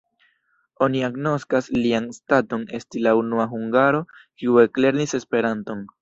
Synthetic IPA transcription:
o̞niaɡno̞skaslianstato̞ne̞stilaunuaɦuŋɡaɾo̞kiue̞kle̞ɾnise̞spe̞ɾanto̞n

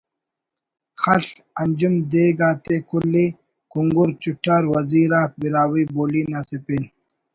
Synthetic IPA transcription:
xɐɬɐnd͡ʑumd̪eːɡaːt̪ekulːi | kuŋɡuɾt͡ɕuʈaɾwɐziːɾaːk̚biɾaːwiːboːliːnaːsipin

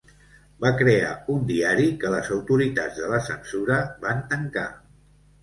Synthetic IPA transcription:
bakɾea̰und̪iaɾikələzəwt̪uɾit̪a̰d͡zðələsənsuɾəbant̪əŋka

